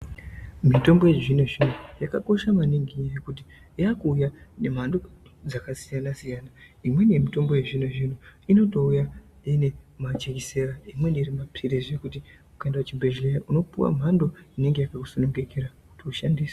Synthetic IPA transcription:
mito̞mbo̞jeʐineʐinojakako̞ʃamaniŋɡiɲajekut̬i | jakuːjane̞m̤andod͡zakasijanasijaːnaimwe̞nemito̞mbo̞je̞ʐineʐin̤oino̞to̞uja | ine̞mat͡ʃekiseraimwe̞niɾimapʰiɾeʐekuti | ukaendaat͡ʃimbeʒlejaʔuno̞puwa̰m̤ando̞ine̞ŋɡe̞jakaku̥sonuŋɡe̞keɾaku̥tiuʃandiːsḁ

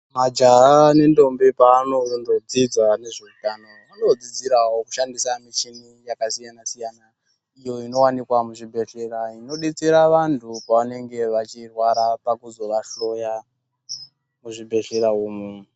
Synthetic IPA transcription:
mad͡ʒaane̞ndo̞mbepaːno̞ndod͡zid͡zane̞ʐeutano̞ | ano̞d͡zid͡ziɾawoku̥ʃandisamit͡ʃinijakasijanasijana | ijo̞ino̞wanikwamuʐibʱe̞ɬeɾaino̞ɗit͡siɾaʋantʰupaʋane̞ŋɡe̞ʋat͡ʃirwaɾapakuzo̞ʋaɬo̞ja | muʐibʱe̞ɬeɾauːmu

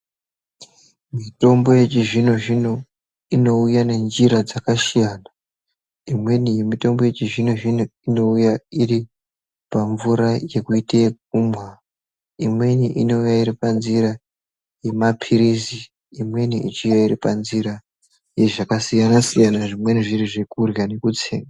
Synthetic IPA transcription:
mito̞mbo̞je̞t͡ʃiʐino̞ʐino̞ | ino̞ujane̞nd͡ʒiɾad͡zakaʃijana | imwe̞nijemito̞mbo̞je̞t͡ʃiʐino̞ʐinoino̞ujairi | paɱvuɾaje̞kuitek̚umwa | imwe̞niʔino̞ujaiɾipanziɾa | je̞mapʰiɾisiː | mwe̞niʔit͡ʃijaiɾipanziɾa | je̞ʐakasijanasijanaʐimwe̞niʐiriʐekurjane̞kut͡seːŋɡa

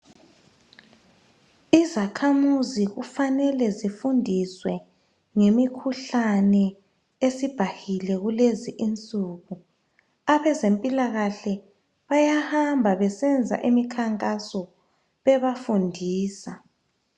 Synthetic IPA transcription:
izakʰamuziɣufanɛlɛzifundʱiswɛ | ŋemikʰuɬanɛ | esib̥ʱahilɛɣuleziʔint͡sʼuɣu | aβɛzempʼilaɣaɬɛ | βajahambʱaβɛsɛnd͡zʱa̰ʔimikʰaŋkʼasɔ | βɛβafundʱiːsa

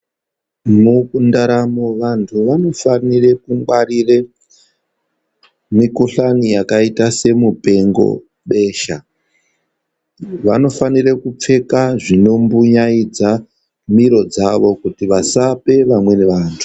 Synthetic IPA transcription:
mukundaɾamoʋantʰuʋano̞fanire̞kuŋɡ͡baɾire | mikuɬanijakaitase̞mupe̞ŋɡo̞̰ | ɓe̞ːʃa | ʋano̞fanirekup͡fe̞kaʐino̞mbuɲaid͡za | miɾo̞d͡zaʋo̞kutiʋasape̞ʋamwe̞neʋaːntʰu̥

